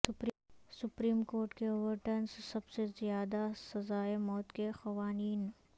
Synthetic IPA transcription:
ʊp | sʊpɾiːmkoːɾʈkeoːʋəɾʈənssɐbsezjaːd̪asɐzaːemɔːt̪kexɐʋaːniːn

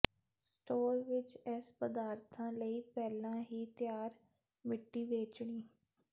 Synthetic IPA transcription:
sʈoːɾʋɪt͡ʃɛspəd̪aːɾt̪ʰãːləiːpɛːlãːɦiːt̪jaːɾ | mɪʈːiːʋeːt͡ʃɳiː

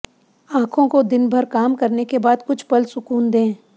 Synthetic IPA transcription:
ãːkʰõkod̪ɪnbʱɐɾkaːmkɐɾnekebaːd̪kʊt͡ʃʰpɐlsʊkuːnd̪ẽː

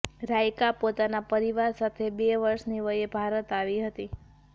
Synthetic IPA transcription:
ɾajkapot̪anapəɾiʋaɾsat̪ʰebeʋəɾʃniʋəjebʱaɾət̪aʋiɦət̪i

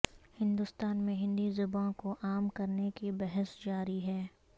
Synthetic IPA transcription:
hɪ̃nd̪ʊst̪aːnmẽɦɪ̃nd̪izʊbãkoʔaːmkɐɾnekibɛɦəsd͡ʒaːɾiɦɛː

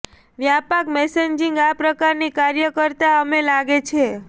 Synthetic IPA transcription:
ʋjapakmɛseɲd͡ʒĩŋɡapɾəkaɾnikaɾjəkəɾt̪aəmelaɡet͡ʃʰe

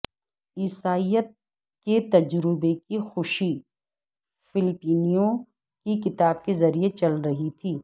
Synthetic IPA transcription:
iːsaːijət̪̚ | ket̪ɐd͡ʒɾɪbekixʊʃi | fɪlɪpiːnijõ | kikɪt̪aːb̚kezɐɾijet͡ʃɐlɾɐɦit̪ʰiː

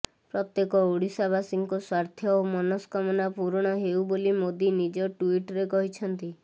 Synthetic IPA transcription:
pɾɔt̪jekɔuɽisabasiŋkɔswaɾt̪ʰjɔomɔnɔskɔmɔnapuɾɔɽ̃ɔɦeubolimod̪inid͡ʒɔʈuiʈɾekɔɦit͡ʃʰɔnt̪i

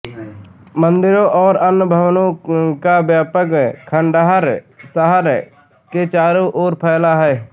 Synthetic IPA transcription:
mə̃nd̪ɪɾõʔɔːɾənʊbʱəʋnõkabjaːpəkkʰəɳɖaɦəɾ | səɦəɾ | ket͡ʃaːɾoʔoːɾpʰəːlaɦɛː

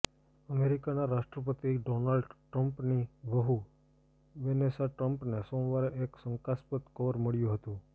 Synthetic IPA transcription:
əmeɾikanaɾaʃʈɾəpət̪iɖonalɖʈɾəmpniʋəɦu | ʋenesaʈɾəmpnesõmʋaɾeʔeksəŋkaspət̪kʰəʋəɾməɭjũɦət̪ũ

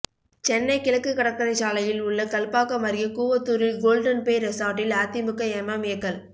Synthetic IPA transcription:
t͡ʃɛnːɐɪkɪɭɐkːɯkɐɽɐkːɐɾɐɪt͡ʃaːlɐjɪlʊɭːɐkɐlpaːkɐmɐɾɪjɐkuːʋɐt̪ːuːɾɪlɡoːlɖɐnpeːɾɐsaːʈːɪlaːt̪ːɪmɯkːɐɛmɐmɪjɐkːɐl

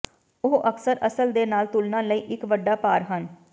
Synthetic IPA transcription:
ʊɦʔəksəɾəsəld̪eːnaːlt̪ʊlnãːləiːʔɪkʋəɖːaːpaːɾɦən

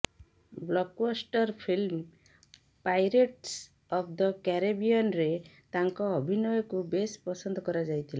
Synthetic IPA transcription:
blɔkbɔsʈɔɾpʰilm | pajɾeʈs | ɔpʰd̪ɔkɛɾebiɔnɾet̪aŋkɔːbʱinɔjɔkubespɔsɔnd̪ɔkɔɾad͡ʒajt̪ʰila

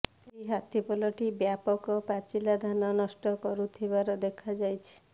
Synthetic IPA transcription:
ejɦat̪ʰipɔlɔʈibjapɔkɔpat͡ʃilad̪ʱananɔsʈɔkɔɾut̪ʰibaɾɔd̪ekʰad͡ʒajt͡ʃʰi̥

